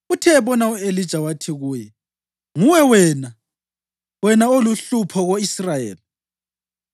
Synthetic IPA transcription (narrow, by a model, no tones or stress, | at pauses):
utʰɛːβɔnauelid̥ʒ̥ʱawatʰiɣuːjɛ | ŋuwɛwɛːna | wɛnaoluɬupʰɔɣoisrajḛːli